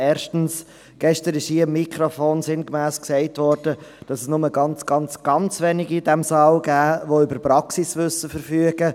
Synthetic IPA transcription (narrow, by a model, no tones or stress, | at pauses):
ɛːɾʃtn̩s | ɡ̥ɛʃtəɾɪʃhiːəɪmːikʰɾofoːnsɪnkmæːskseɪtʋɔɾd̥əd̥ɑsɛsnʊməɡɑnt͡sɡ̥ɑnt͡sɡ̥ɑnt͡sʋɛnɪɡid̥ɛmsɑlɡæːʋoʏbəɾpɾɑksisʋʏsəfəɾfyːəɡ̥ə